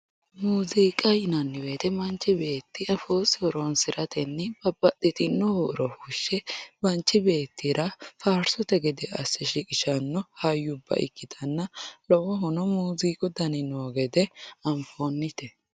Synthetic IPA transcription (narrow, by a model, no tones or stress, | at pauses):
muːziːkʼɐjɪnɐnːɪweːt̪ɛmɐnt͡ʃːɪbe̞ːt̪ːɪɐfoːsɪɔɾonsɪɾɐt̪ɛnːɪb̥ɐbɐt̪ːɪt̪ʼɪnːɔhoɾɔhuʃːɛbɐnt͡ʃːɪbe̞ːt̪ːɪɾɐfaːɾsɔt̪ɛɡɛd̪ɛɐsːɛʃɪkʼɪʃɐnːɔhɐjːʊbːɐ̰ʔɪ̰kːɪt̪ɐnːɐlɔwɔɦʊnɔmuːziːkʼʊd̪ɐnɪnoːɡɛd̪ɛɐmfoːnːɪt̪ɛ